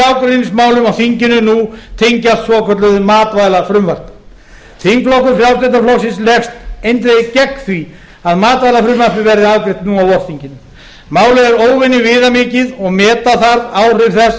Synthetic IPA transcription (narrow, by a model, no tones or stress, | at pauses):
aːwkɾenɪsmaːwlʏmawθiɲcɪnʏnut̪ʰejɲcast̪svɔkʰvœt̪lʏðʏmaːt̪vaːjlafɾʏmvaɾ̥p̪ɪ | t̪ʰiŋkflowkʏfɾjawt̪ɛt̪̬aflowsɪnslɛxst̪ejnt̪ɾecɛkθvi | aðmaːt̪vajlafɾʏmvaɾ̥p̪ɪvɛɾðɪaːvkɾɪht̪nuawɔɾ̥θiɲcɪnʏ | maːwlʏɛɾoːwvɪnːɪvɪːðamɪːcɪðɔɣmɛːt̪aθaɾðaːwr̥ɪɾθɛs